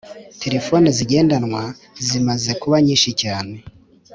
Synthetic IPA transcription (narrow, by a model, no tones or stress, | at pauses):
tʰe̞ɾe̞fo̞niziɟe̞ːndanwa | zimaze̞kuβaɲiːnʃicaːne̞